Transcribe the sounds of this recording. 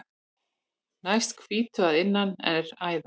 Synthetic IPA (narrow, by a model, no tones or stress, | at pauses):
najst̪kʰviːt̪ʰʏaðɪnːanɛ̰ɾaːjða